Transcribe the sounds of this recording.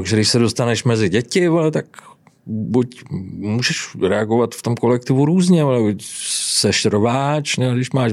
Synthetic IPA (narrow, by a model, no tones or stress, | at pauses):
t̪aɡʒɛdɪʃsɛdo̞st̪anɛʃmɛzɪɟɛcɪvolɛt̪ak | bucmuːʒɛʃɾɛaɡovat̪ft̪o̞mko̞lɛkt̪ɪvuɾuːzɲɛvolɛbucsɛʃɾvaːt͡ʃnɛdɪʃmaːʃ